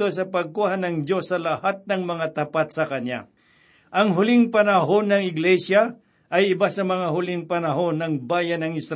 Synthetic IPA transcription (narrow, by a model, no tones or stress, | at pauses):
os̬ɐpɐɡ̚kuːhanɐŋd͡ʒo̞sːɐlɐhat̪̚nɐŋmɐŋat̪ɐpat̪̚sɐkɐnja̰ | ʔɐŋɦʊlɪŋpɐnɐɦonːɐŋɪɡlɛsja | ʔɐjɪbasɐmɐŋaɦʊlɪŋpɐnɐɦo̞nːɐŋbaːjɐnɐŋɪsɾ